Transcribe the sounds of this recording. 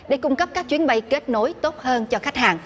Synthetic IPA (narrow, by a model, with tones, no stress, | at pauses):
ɗe˧˩kʊ˧ŋ͡mkə˦˥p̚kaː˦˥k̚t͡ɕwi˨˦ənɓə˧jke˦˥t̚no˨˦jt̪o˦˥t̚həː˧nt͡ɕɔ˧xa˦˥jk̟̚haː˨˩ŋ